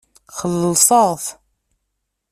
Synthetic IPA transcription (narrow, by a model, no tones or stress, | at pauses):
χəlːəsˤɑˤθ